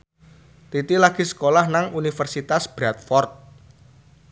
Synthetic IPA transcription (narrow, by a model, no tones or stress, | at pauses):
t̪it̪ilaɡ̥i̤sə̥kolahnaŋunifərsit̪asb̥ɾat̪̚fɔrt̪̚